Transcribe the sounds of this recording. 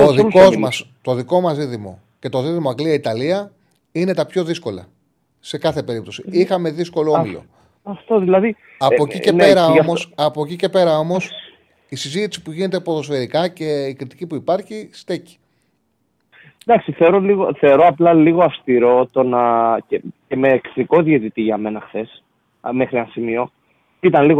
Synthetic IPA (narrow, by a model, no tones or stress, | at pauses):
oðiko̞zmmɐst̪o̞ðiko̞mɐsiðimo̞̰ | ce̞t̪o̞ðiðimoɐɡliɐit̪ɐliɐ | ine̞t̪ɐpço̞ðisko̞lɐ̰ | se̞kɐθe̞pe̞ɾip̚t̪o̞siixɐme̞ðisko̞looilo̰ | ɐft̪oðilɐði | ɐpocicene̞ɾɐomo̞sɐpo̞cice̞pe̞ɾɐo̞mo̞s | isizit̪i̥si̥puʝine̞t̪̬epoðo̞sfe̞ɾikɐce̞ikɾit̪i̥cipuipɐɾçist̪eci̥ | d̪ɐksiθeoɾo̞liɣo̞θe̞o̞ɾo̞ɐplɐliɣoɐfst̪iɾo̞t̪o̞nɐcece̞me̞ːkðiko̞ðiet̪it̪iʝɐme̞nɐxθe̞s | me̞xɾieɐnsimio̞ | it̪ɐnliɣo